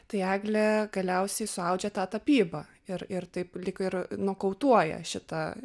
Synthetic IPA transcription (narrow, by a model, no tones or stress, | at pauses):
t̪ɐɪæːɡlʲɛɡɐlʲɛʊsʲɛɪsʊɐʊd͡ʒʲɛt̪ɑːt̪ɐpʲiːbɐ | ɪɾɪrt̪ɐɪplʲɪkɪrnuɔkɐʊt̪uɔjɛ̰ʃʲɪt̪ɐ